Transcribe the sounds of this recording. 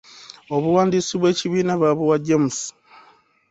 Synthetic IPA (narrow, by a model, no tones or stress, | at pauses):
o̞βuwaːndiːsiβwe̞ːciβiːnaβaβuwaɟemus